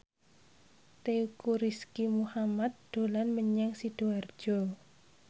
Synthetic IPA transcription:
t̪eukuɾiskimuhamat̪̚d̪̥o̤lanməɲɛŋsid̥oard̥ʒ̥ɔ

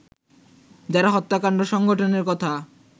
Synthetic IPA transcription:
d͡ʑaɾaɦɔt̪ːakaɳɖoʃɔŋɡoʈʰoneɾkɔt̪ʰa

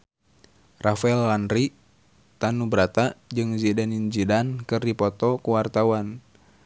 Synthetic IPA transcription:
rafaɛlːanri | t̪anubɾat̪ad͡ʒɨŋzɛdanind͡ʒidankɨrdipɔt̪ɔkuwart̪awan

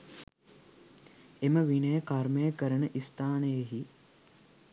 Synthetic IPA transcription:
eməʋinəjəkarməjəkəɾənəʔist̪aːnəjeɦi

